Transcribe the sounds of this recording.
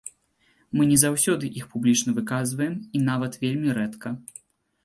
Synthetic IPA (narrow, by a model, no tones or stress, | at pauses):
mɨnʲɛzawsʲɔd̪ɨʔixpublʲit͡ʂnɐvɨkazvɐjɛminavɐt̪vʲelʲmʲiɾɛt̪kɐ